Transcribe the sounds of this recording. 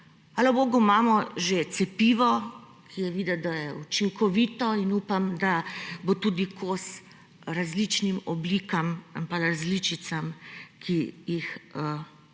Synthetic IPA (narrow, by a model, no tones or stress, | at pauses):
alaboːɡumaːmɔʒet̪sɛpiːʋɔ | kʰijɛʋiːd̪ɛd̪ajɛut͡ʃiŋkɔʋiːt̪ɔinuːpamd̪abot̪uːd̪ikʰos | ɾazlit͡ʃnimɔbliːkamampaɾazliːt͡ʃit̪samkʰijixə